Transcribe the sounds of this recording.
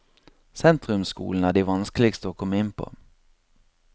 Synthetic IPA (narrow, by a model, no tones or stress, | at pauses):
sɛnt̪ɾɵmskṵːlənæɖɪvɑnskəlɪɡst̪əɔkʰɔmːaɪnːpʰɔ̰